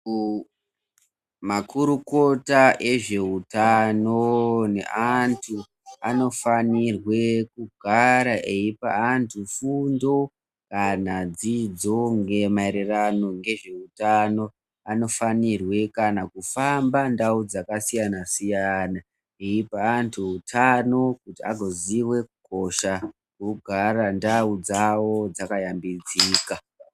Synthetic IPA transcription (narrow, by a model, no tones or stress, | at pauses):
makuɾuko̞taʔe̞ʐe̞utano̞ne̞̰ʔantʰu | ano̞fanirwe̞kuɡʱaɾaʔe̞ipa̰antʰufundo̞ | kanad͡zid͡zo̞ŋɡe̞maiɾirano̞ŋɡe̞ʐe̞utano̞ | ano̞fanirwe̞kanakufambandaud͡zakasijanasijana | eipaːntʰuutʰano̞kutia̰ɡʱo̞ziwe̞kuko̞ʃa | kuɡʱarandaud͡zawo̞d͡zakajambid͡zika